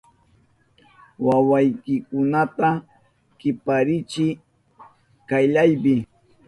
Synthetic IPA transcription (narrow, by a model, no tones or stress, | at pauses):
wawajkɪkʊnat̪a | kɪpaɾɪt͡ʃɪ | kajʎajbɪ